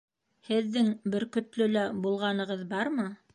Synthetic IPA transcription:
hɘ̆ðːɘŋbɘɾkɵ̆t̪lɵlæbulˠʁɑnɤ̆ʁɤðbɑɾmɤ

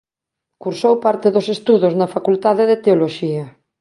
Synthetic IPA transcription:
kuɾsowpaɾt̪eðosest̪uðoznɐfakult̪aðeðet̪eoloʃiɐ

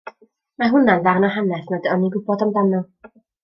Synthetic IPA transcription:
maɦʊnanðarnɔɦanɛθnadəɔniɡʊbɔdamdanɔ

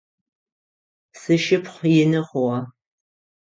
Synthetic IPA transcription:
sɨʃɪpχʷjɪnɨχʷʊwɑ

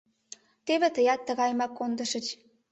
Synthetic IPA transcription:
t̪eβet̪əjɑt̪ːəɣɑjmɑkːond̪ə̆ʃə̆t͡ɕ

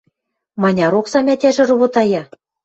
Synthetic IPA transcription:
mɑnʲɑɾoksɑmʲæt̪ʲæʒɘ̆rŏβŏt̪ɑjɑ

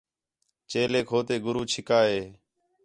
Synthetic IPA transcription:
t͡ʃeːleːkʰoːt̪eːɡʊɾuːt͡ʃʰɪkaːɦeː

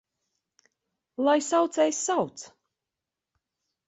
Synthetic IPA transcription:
lˠajsawt̪sɛjsːawt̪s

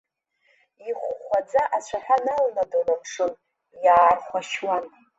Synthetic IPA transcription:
iχʷχʷad͡zaʔat͡ɕʷʰaħʷᶣanalnadɨrapʰʂɨn | jaːrχʷaʃwan

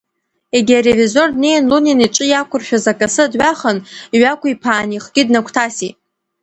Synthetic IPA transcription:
e̞ɡʲiarevizo̞rdne̞jnluniniʈ͡ʂʼɨjakʷʊrʃᶣazakʼasɨdʕʷaχəniɥakʷʰʊipʰaːniχɡʲɪdnakʷʰtʰasitʼ

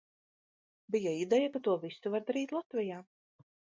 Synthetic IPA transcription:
bijaid̪ɛjakat̪uɔvisuvaɾd̪aɾiːt̪lˠat̪vɛjaː

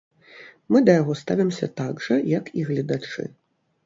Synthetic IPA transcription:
mɨd̪ɐjaɣɔst̪avʲimsʲɐ̰t̪aɡʐɐjɐkiɣlʲɐd̪at͡ʂɨ̰

